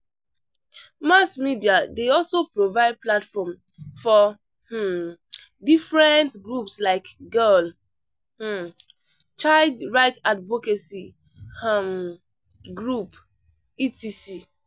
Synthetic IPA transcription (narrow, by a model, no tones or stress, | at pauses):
masmidiadeɔlsopɹovaɪd̚platfɔm | fɔ | h̩ | difɹɛ̃ntɡɹupslaɪkɡɛl | h̩ | t͡ʃaɪldɹaɪtadvokesi | am | ɡɹup | itisi